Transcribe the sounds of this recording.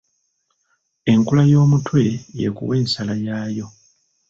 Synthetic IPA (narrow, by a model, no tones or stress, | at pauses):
e̞ŋkulajo̞ːmutwe̞je̞̰kṵwe̞ːnsalajaːjo̞